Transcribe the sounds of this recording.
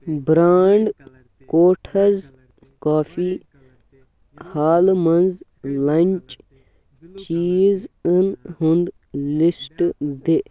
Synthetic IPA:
bɾaːɳɖ | koːʈʰɐz | kaːfʰiː | haːlmɐnz | lɐnʲt͡ʃ | t͡ʃiːzənɦũnd̪ | lɪsʈd̪e

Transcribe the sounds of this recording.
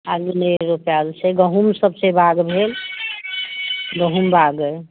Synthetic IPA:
aɡineɾopjalt͡ʃʰeɡəɦumsəbsebʱaɡbʱel | ɡəɦumbʱaɡə

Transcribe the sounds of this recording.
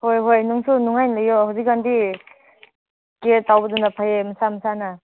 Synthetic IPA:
hojɦojnuŋsunuŋajnlɯjohawzik̚ɡandi | ketawbɐdunapʰajemɐsamɐsana

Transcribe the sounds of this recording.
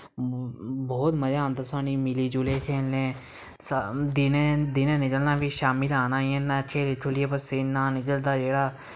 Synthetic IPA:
bɔːt̪məd͡ʒãːnd̪əsaːniːmɪliːd͡ʒʊleːkʰeːlnẽː | sd̪ɪned̪ɪnẽːnɪkəlnaːbiːʃaːmɪlaːnãːiənːãkʰeːleʈʰʊlɪjeːpəseːnãːnɪkəld̪aːd͡ʒeːɽaː

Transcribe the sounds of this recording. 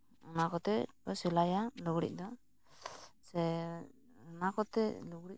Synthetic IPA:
ɔnakɔt̪ɛbɔsɛlajalɔɡɽḭc̚ˀd̪ɔ | sɛ | ɔnakɔt̪ɛluɡɽi

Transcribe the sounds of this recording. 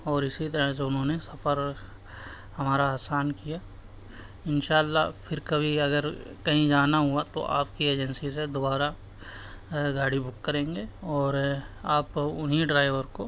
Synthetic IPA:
ɔːɾɪsit̪ɐɾəs̬eʊnɦõnesɐfəɾ | hɐmaːɾaːsaːnkijaː | ɪnʃaːlːafʰɪɾkɐbʱiɐɡəɾkɐɦĩd͡ʒaːnaɦuat̪o̰ʔa̰ːpkieːd͡ʒənsised̪oːbaːɾa | ɡaːɽibʊkːɐɾẽːŋɡeɔːɾaːpʊnɦiɖɾaːɪʋəɾko

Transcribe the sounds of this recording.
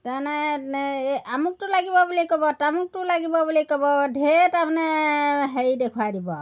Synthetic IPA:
tanɛ | amuk̚tulaɡibɔbulikɔbɔtamuk̚tulaɡibɔbulikɔbɔdʱetapɔnɛɦejdekʰwadibɔ

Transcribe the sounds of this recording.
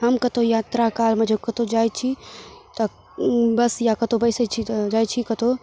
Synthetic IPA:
ɦəmkət̪ojaːt̪ɾakalmed͡ʒekət̪od͡ʒajt͡ʃʰit̪ə | bəsjakət̪obəɪsət͡ʃʰid͡ʒajt͡ʃʰikət̪o

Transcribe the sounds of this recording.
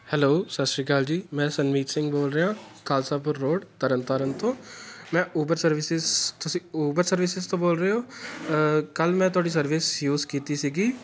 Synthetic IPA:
hɛloːsəʃɾiːkaːld͡ʒiːmɛ̃ːsənʋiːt̪sɪ̃ŋɡboːlɾəɦãːkaːlsaːp̬əɾːoːɖt̪ɐɾənt̪aːɾənt̪õːmɛ̃ːuːbəɾsəɾʋɪsɪzt̪ʊsĩuːbəɾsəɾʋɪsɪzt̪õboːlɾəeɦoː | kəlmɛ̃ːt̪̬ʊaːɽis̬ɐɾʋɪsjuːzkiːt̪isiɡiː

